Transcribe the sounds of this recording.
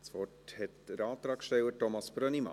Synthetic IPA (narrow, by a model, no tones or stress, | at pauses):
sfɔʈhɛt̪əɾɑːt̪ɾɑːkʃtɛwətɔmɑsb̥ɾœnimɑ̰